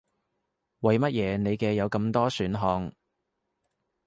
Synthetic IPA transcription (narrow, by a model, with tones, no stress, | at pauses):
wɐ˨˧jmɐ˥t̚jɛː˨˧ne˨˧jkɛː˧jɐ˨˧wkɐ˧mt̪ɔː˥syː˨˥nɦɔː˧ŋ